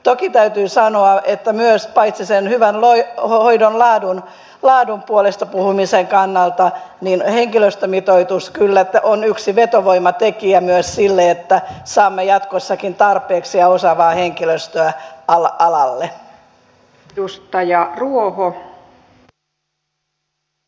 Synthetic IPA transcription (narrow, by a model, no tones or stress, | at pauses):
t̪okit̪æyt̪yːsɑnoɑʔet̪ːæmyøspɑit̪sisenhyʋænlohoidonlɑːdun | lɑːdumpuolest̪ɑpuhumiseŋkɑnːɑlt̪ɑninheŋkiløst̪ømit̪oit̪uskylːæt̪ːæʔonyksiʋet̪oʋoimɑt̪ekiæmyøssilːeet̪ːæsɑːmːejɑt̪kosːɑkint̪ɑrpeːksiɑosɑʋɑːheŋkiløst̪øæɑlɑʔɑlɑlːe | ust̪ɑjɑruoho